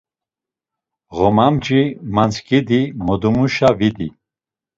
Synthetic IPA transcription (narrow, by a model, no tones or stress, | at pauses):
ɣɔmamd͡ʒimant͡skʼid̪imɔd̪umuʃavid̪i